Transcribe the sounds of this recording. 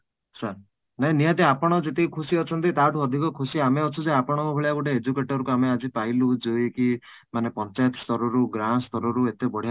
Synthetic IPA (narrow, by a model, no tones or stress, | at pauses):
saɾ | naɦĩnijat̪̬iapɔɽ̃ɔd͡ʒet̪iikʰusiɔt͡ʃʰɔnt̪it̪aʈuɔd̪ʱikɔkʰusiameɔt͡ʃʰuseapɔɽ̃ɔŋkubʱeɭijaɡuʈeed͡ʒukeʈɔɾukuamead͡ʒipailud͡ʒojeki | manepɔnt͡ʃajt̪ɔst̪ɔɾɔɾuɡɾanst̪ɔɾɔɾuet̪ebɔɽi